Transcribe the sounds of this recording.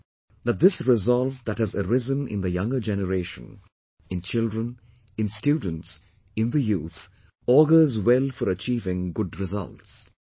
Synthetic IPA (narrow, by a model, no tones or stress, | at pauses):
ðət̪̚d̪ɪsɹɪzɑlˠvd̪æt̚hɨzəɾɪzə̃nɪ̰̃nd̪əjʌ̃ŋɡəd͡ʒɛnəɾeːʃə̰̃n | ɪ̃nt͡ʃɪldɹə̃n | ɪ̃nstjuːdⁿn̩ts | ɪ̃nd̪əjuːt̪ | ɔɡə˞zwɛlˠfɔɾət͡ʃiːvɪ̃ŋɡʊdɹɪzʌ̰lts